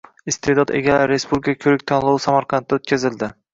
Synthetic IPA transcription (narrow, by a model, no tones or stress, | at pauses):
ɪst̪ʰed̪ɒd̪ḛɡʲalaɾɪɾespublʲikʰakʲʰɵɾɪk̚ʲt̪ʰɒnlˠɒwsamaɾqʰɑnt̪ʰːɪot̪̚kʲʰazɪld̪ɪ